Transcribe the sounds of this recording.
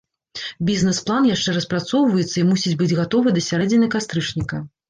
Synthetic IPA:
bʲiznɛsplˠanjaʂt͡ʂɛɾɐspɾat̪sɔwvɐjɛt̪sːɐimusʲid͡zʲbɨd͡zʲɣat̪ɔvɨd̪ɐsʲaɾɛd͡zʲɪnʲɐkast̪ɾɨt͡ʂnʲikɐ

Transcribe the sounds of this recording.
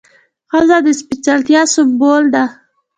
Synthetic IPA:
xəzad̪əspɪt͡salt̪jɑsʊbold̪a

